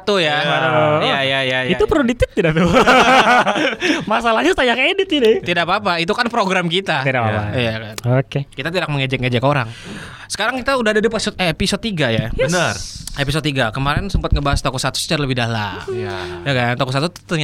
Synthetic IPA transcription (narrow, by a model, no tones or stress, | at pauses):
t̪uja | jajajajit̪upəɾudit̪ɪt̪̚t̪ːidap̚t̪u | masalahɲast̪ajaŋedɪt̪inɪt̪idapap̬ait̪̬ukanpɾoɡɾamkit̪at̪idapaa̰jakanokekit̪at̪̬idak̚məŋed͡ʒɛk̚ŋed͡ʒɛkoɾa̰ŋ | sə̥kaɾaŋkit̪audahadadipasʊt̪episod̪̚t̪ːiɡajabənərepis̬od̪iɡakəmaɾɛnsəmpət̪̚ŋəbaɦast̪okɔsat̪u̥sə̥t͡ʃaɾaləbɪhdahla̰mjajakant̪okɔs̬at̪ut̪t̪əɲ